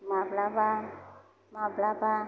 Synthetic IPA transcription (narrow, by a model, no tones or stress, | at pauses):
mablaba | mablaba